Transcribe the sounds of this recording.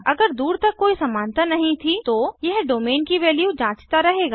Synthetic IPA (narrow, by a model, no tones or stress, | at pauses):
ɐɡəɾd̪uːɾt̪ɐkkːoːisɐmãːnt̪anɐɦĩt̪ʰit̪ojɐɦɖoːmeːnkiʋeːljud͡ʒãːt͡ʃt̪aɾɐɦeːɡaː